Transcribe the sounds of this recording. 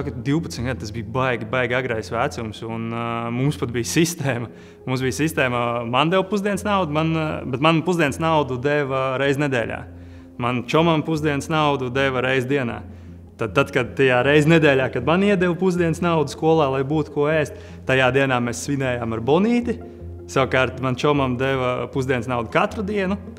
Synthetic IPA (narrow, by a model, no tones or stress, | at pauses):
sak̪d̪iʊpɐt̪smʲɡad̪̚t̪azbiːjbajɡʲbajɡʲaɡɾajsʋæːt̪sumsunmumspat̪̚bijsist̪ɛːmɐ | mumsbijsist̪ɛːmɐmand̪ɛwpuzd̪iɛnsnawd̪umanbet̪manpuzd̪iɛnsnawd̪ud̪ɛʋɾɛjzned̪ɛ̰ːlʲa̰ː | mant͡ʃɔmampuzd̪iɛnsnawd̪ud̪ɛʋəɾɛjzd̪iɛna̰ː | t̪ad̪̚t̪at̪kad̪̚t̪ajaːɾɛjzʲned̪ɛːlʲaːkad̪maniɛd̪ɛwpuzd̪iɛnsnawd̪uskuɔlˠaːlˠajbuːt̪kuɔɛːst̪ | t̪ajaːd̪iɛnaːmɛsːʋinɛːjaːmaɾbɔniːt̪i | saʋkaːɾt̪mant͡ʃɔmamd̪ɛʋɐpuzd̪iɛnsnawd̪ukat̪ɾud̪iɛnu